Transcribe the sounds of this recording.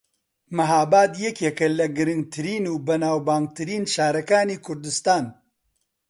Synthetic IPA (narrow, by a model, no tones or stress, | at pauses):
mɐɦaːbaːd̪jɛkjɛkɐlɐɡɨɾɨŋɡ̚t̪ʰɨɾiːnuːbɐnaːwbaːŋɡ̚t̪ɨɾiːnʃaːɾɐkaːniːkʰʊɾd̪ɨst̪aːn